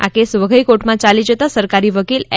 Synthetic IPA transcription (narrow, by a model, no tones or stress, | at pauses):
a̰kesʋəɡʱəjkoʈmãt͡ʃalid͡ʒət̪asəɾkaɾiʋəkilɛ